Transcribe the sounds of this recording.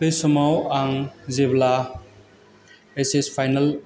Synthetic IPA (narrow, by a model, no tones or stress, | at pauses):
lesɔmawaŋzebla | esespʰajnal